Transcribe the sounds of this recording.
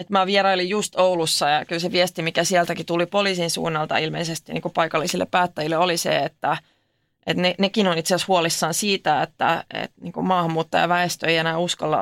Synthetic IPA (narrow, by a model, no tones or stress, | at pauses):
et̪mæʋieɾɑolijjust̪oulusːɑjɑkylseʋiest̪imikæsiɛlt̪ækit̪ulipoliːsinsṵːnːɑlt̪ɑ̰ilmḛisest̪inḭːŋkupɑikɑlːisilːḛppæːt̪ːæjilːeolisḛet̪ːæ | ʔet̪nenekinonit̪siɑshuolisːɑːnsiːt̪æet̪ːæ̰ḛt̪niːŋkummɑːhɑmːuːt̪ːo̰jɑ̰ʋæest̪øeijenæːuskɑlːɑ̰